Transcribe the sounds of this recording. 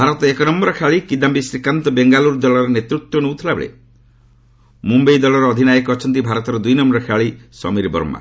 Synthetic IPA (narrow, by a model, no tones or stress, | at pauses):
bʱaɾɔt̪ɔekɔnɔmbɔɾɔkʰeaɭikid̪ambisɾikant̪ɔbeŋɡaluɾd̪ɔɭɔɾɔnet̪ɾuk̚t̪ɔnuwt̪ʰilabḛɭḛ | mumbejd̪ɔlɔɾɔːd̪ʱinajɔkɔːt͡ʃʰɔnt̪̬ibʱaɾɔt̪ɔɾɔd̪ujnɔmbɔɾɔkʰeaɭisɔ̰miɾbɔ̰ɾma̰